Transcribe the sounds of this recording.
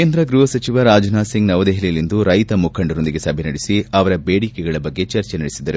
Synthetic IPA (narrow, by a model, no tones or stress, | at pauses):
keːnd̪ɾɐɡɾuɦɐsɐt͡ʃiʋɐɾaːd͡ʒnaːsiŋɡnɐʋɐd̪eɦlijɐlind̪uɾɐjt̪ɐmukʰːɐɳɖɐɾond̪iɡe̞sɐbʱɛnɐɽisiɐʋɐɾɐbeːɽikeɡɐɭɐbɐɡːe̞t͡ʃɐɾt͡ʃenɐɽisid̪ːɐɾu